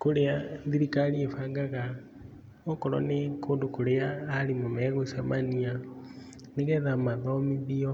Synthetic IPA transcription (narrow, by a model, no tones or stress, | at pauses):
koɾeaðiɾikaniefaːŋɡaɣa | ɔkɔɾɔ̰nekʰoːndokoɾeaːɾimomɛɣosamania | neɣɛðamaðɔmiðiɔ